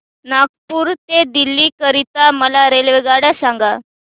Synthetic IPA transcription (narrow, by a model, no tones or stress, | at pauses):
nak̚puːɾt̪ed̪ilːiːkəɾit̪aməlaɾelʋeɡaɽasãŋɡa